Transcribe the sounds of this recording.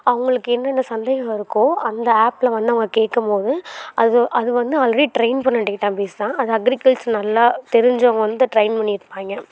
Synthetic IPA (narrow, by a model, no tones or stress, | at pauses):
ɐʋɐŋɡɐɭɯkːɯɛnːɛnːɐsɐnd̪eɣɐɪɾɯkːõːʔɐnd̪ɐaːplɐʋɐnd̪ɯɐʋɐŋɡɐkeːʈːɯmpoːðɯɐðɯʔɐðɯʋɐnd̪ɯaːlɾɐɾiʈɾeɪnpɐɳnːɐʈːɪkːɪʈːãːpeːst̪ãːʔɐðɯɐɡɾɪkɐɭʈsnɐlːaːt̪ɛɾɪɲd͡ʒɐɐŋɡɐʋɐnd̪ɯʈɾɐɪnpɐɳːɪɾɯpːaːŋɡɐ